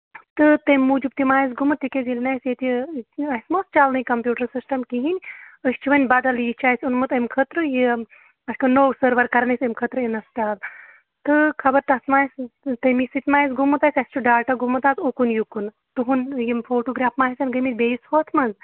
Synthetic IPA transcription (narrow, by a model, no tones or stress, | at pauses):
t̪ɨt̪ɐmʲːuːd͡ʒup̚t̪imaːjis̬ɡumɨt̪ikezʲilʲnɐsjet̪iɐsʲmost͡ʃaːlnɐjikɐmpʲjuːʈɐɾsisʈɐmkiɦinʲəst͡ʃʰuʋɐnʲbɐd̪ɐljit͡ʃʰaːjsʲunmɨt̪ɐmkʰət̪ɾɨji | ɐsʲkɐnoːwsəɾʋɐɾkɐɾnɐsʲɐmʲkʰɐt̪ɾɨinɐst͡ʃaːl | t̪ɨkʰɐbɐɾt̪ɐsmaːjst̪ɐmisɨt̪ʲmaːjis̬ɡumːɨt̪aːsʲɐsʲt͡ʃʰuɖaːʈaɡumːɨt̪aːzokunjukun | t̪ɨɦunjimfoːʈoːɡɾaːfmaːɦisɐnɡɐmit̪ʲbeːjishoːt̪ʰmɐnz